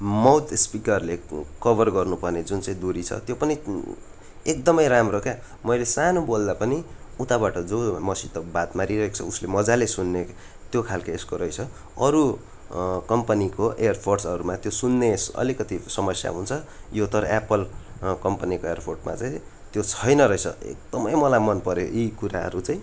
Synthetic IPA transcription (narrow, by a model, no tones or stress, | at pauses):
mʌwt̪spikʌrlekʌbʌrɡʌrnupʌrned͡zunt͡saĩd̪uɾit͡sʰʌ̰t̪jopʌni | ek̚d̪ʌmʌjɾamrokja | mʌjlesanobold̪apʌni | ut̪abaʈʌd͡zomʌsit̪ʌbat̪maɾiɾʌɦekt͡sʰʌuslemʌd͡zalesunːe | t̪jokʰalkaeskoɾʌjt͡sʰʌ | ʌɾu | kʌmpʌnikoʔejʌrpʰorsʌɾumat̪josunːesʌ̰likʌt̪isʌmʌsja̰ɦunt͡sʰʌjot̪ʌɾʌ̰ʔapʌlkʌmpʌnikoerpʰorʈma̰t͡saĩ | t̪jot͡sʰʌjnʌɾʌjt͡sʰʌ̰ḛk̚d̪ʌmʌjmʌlajmʌnpʌɾeʔikuɾaɦʌ̰ɾut͡saĩ